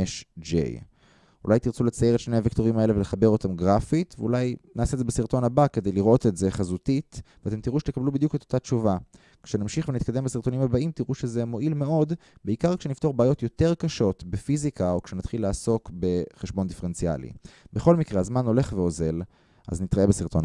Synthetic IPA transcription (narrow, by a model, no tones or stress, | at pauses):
eʃd͡ʒḛj | ṵlajt̪iʁt͡sulet͡sajeʁet̪ʃne̞javekt̪o̞ʁimae̞le̞veleχabe̞ʁo̞tamɡʁafit̪veulajnaːsedzebesiʁt̪o̞nabake̞d̪e̞jliʁʔo̞t̪etze̞χazutit̪veat̪e̞mt̪iʁuʃet̪ekablubid̪juke̞t̪otat͡ʃuva | kʃenamʃiχvenit̪kad̪e̞mbasiʁt̪o̞nimabaimt̪iʁuʃeze̞mo̞ʔilme̞o̞d̪beikaʁkʃenift̪o̞ʁbeaːjo̞t̪jo̞te̞ʁkaʃo̞tbefizikao̞kʃenat̪χilːaːso̞kbe̞χeʃbo̞nd̪ifeʁent͡sia̰lḭbeχo̞lmikʁeazmano̞le̞χve̞o̞ze̞l | ʔa̰znit̪ʁaebesiʁto̞n